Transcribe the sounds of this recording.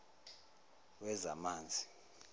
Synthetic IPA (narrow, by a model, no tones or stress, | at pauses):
wɛzamaːnd͡zʱi